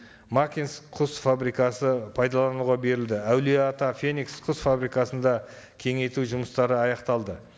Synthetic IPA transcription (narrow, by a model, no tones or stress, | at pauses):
makʲinsqʰʊsfabɾijkɑsəpʰɑjd̪ɑlˠɑnuʁɑbe̞ɾɪld̪ɪæwliat̪ɑfe̞niksqʰʊsfabɾijkɑsənd̪ɑ | kʲʰe̞ŋe̞jt̪uʒʊməst̪ɑɾəɑjɑqt̪ɑlˠd̪ə